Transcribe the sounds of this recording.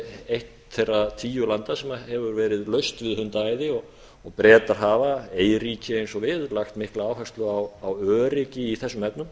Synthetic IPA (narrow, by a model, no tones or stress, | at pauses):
ejht̪θejrat̪ʰiːjʏlant̪asɛmahɛvʏɾvɛːɾɪðlœɥst̪vɪðhʏnt̪aaːjðɪɔɣ | ɔɣpɾɛːt̪aɾ̥ɦavaeːjɾiːcʰɪejnsɔvɪðlaxt̪mɪhklaaːwfɛst̪lʏawawœːɾɪcɪiθɛsːʏmɛpnʏm